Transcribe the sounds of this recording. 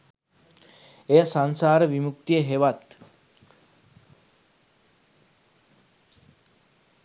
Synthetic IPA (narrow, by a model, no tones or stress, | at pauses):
ejasansaːɾəʋimuk̚t̪ijəɦeʋat̪